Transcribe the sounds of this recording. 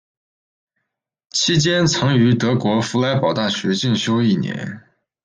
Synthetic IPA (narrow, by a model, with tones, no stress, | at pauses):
t͡ɕʰi˥t͡ɕjɛ˥nt͡sʰɑ˧˥ŋy˧˥t̪ɤ˧˥kwɔ˧˥fu˧˥la˧˥ɪpɑ˨˩ʊt̪a˥˩ɕɥɛ˧˥t͡ɕi˥˩nɕjo˥ʊi˥˩njɛ̰˧˥n